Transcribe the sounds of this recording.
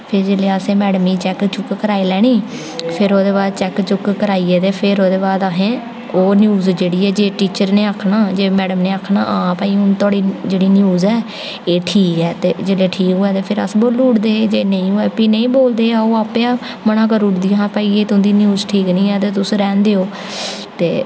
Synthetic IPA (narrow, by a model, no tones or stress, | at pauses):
pʰɪɾd͡ʒeːleːəsẽːmɛːɽmiːt͡ʃɛkt͡ʃʊkːəɾaːiːlɛːɽ̃iː | pʰɪɾoːd̪eːbaːd̪t͡ʃɛːkt͡ʃʊkkəɾaːiːɛːt̪eːpʰɪɾoːd̪eːbaːd̪aːɦẽː | oːnjuːzd͡ʒeːɽiːɛːd͡ʒeːʈiːt͡ʃəɾneːaːkʰnaːd͡ʒeːmɛːɽəmneːaːkʰna̰ːʔãːpaiːʊnt̪aːɽiːd͡ʒeːɽiːnjuːzɛː | eːʈʰiːkɛːt̪eːd͡ʒeːleːʈʰiːkoːɛːt̪eːpʰɪɾə̰sboːlːʊʈd̪eːd͡ʒeːnəĩːũːɛːpiːnə̃ĩːboːld̪eːaoːaːpjaː | mənãːk̬əɾʊʈd̪ijaːɦãːpaːiːeːt̪ʊ̃nd̪iːnjuːzʈʰiːknĩːɛːt̪eːt̪̬ʊsːɾɛːnd̪eːoː | t̪eː